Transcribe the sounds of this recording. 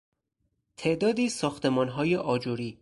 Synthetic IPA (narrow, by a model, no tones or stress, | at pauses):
t̪ʰe̞ʔd̪ɒːd̪iːsɒːxt̪ʰe̞mɒːnɦɒːjeʔɒːd͡ʒoɾiː